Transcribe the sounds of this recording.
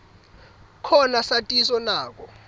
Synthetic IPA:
kʰɔnasatʼisɔnaːk̬ʼɔ

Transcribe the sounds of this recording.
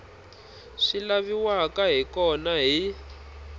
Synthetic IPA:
ʂilaβiwakaɦikɔnaɦi

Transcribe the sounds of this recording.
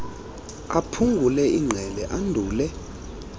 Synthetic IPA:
a̰pʰuŋɡʱulɛʔiŋ͡ǀʱɛlɛʔandʱuːlɛ

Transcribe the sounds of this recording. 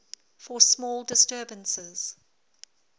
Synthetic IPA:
fɔsmɔːlˠdɪstɜːbə̃nsɪz̥

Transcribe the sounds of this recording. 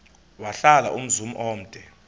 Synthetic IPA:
waɬala̰ʔum̩zumṵʔoːm̩dʼʱɛ

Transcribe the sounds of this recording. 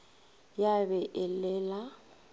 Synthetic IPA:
jabɛʔɪlɛla

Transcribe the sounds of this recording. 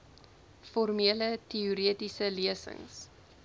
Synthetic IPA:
fɔrmiələtiuɾiətisəliəsə̰ŋs

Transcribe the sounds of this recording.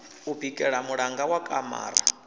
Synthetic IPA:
upʰikʼɛɺamuɺaŋɡawakʼama̰ːɾa̰

